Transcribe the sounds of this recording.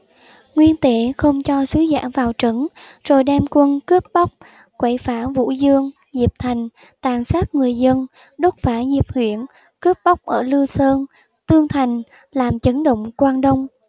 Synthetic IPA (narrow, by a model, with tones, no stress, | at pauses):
ŋwi˧ənt̪e˧˩xə˧wŋ͡mt͡ɕɔ˧sɨ˨˦za̰ː˧˥vaː˨˩wt͡ɕə˨˦nzo˨˩jɗɛ˧mkwə˧nkə˦˥p̚ɓa˦˥wk͡p̚ | kwe˧˩jfaː˧˩vṵ˧˥zɨ˧əŋ | zi˨˩p̚t̪ʰa˨˩jŋ̟ | t̪aː˨˩nsaː˦˥t̚ŋɨ˨˩əjzə˧n | ɗə˦˥t̚faː˧˩zi˨˩əp̚hwḭ˧˨ən | kə˦˥p̚ɓa˦˥wk͡p̚ʔəː˧˩lɨ˧əsəː˧n | t̪ɨ˧əŋt̪ʰa˨˩jŋ̟ | laː˨˩mt͡ɕə˨˦nɗo̰˧˨wŋ͡mkwaː˧nɗə˧wŋ͡m